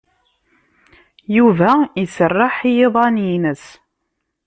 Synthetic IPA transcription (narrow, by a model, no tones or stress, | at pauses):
juvæisərːɑħjeðˤɑnjinəs